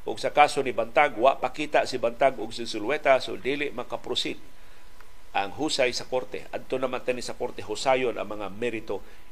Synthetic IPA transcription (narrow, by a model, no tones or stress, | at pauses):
ʔʊɡsakaːsonibant̪aɡwaʔpakiːt̪aʔsɪbant̪aɡʊɡsɪsʊlwɛt̪asʊd̪ilɪʔmakapɾʊsɪd̪ | ʔaŋɦuːsajsɐkoɾt̪ɛ̰ʔa̰d̪̚t̪onamant̪anisɐkoɾt̪eɦʊsajonʔɐ̰ŋmɐŋamɛɾɪt̪o